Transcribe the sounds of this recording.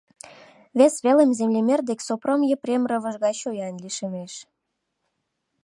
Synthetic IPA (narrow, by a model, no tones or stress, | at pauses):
βesβelemzemlʲemʲerd̪eksopromjeprʲemrə̆βə̆ʒɣɑt͡ɕojɑnliʃemeʃ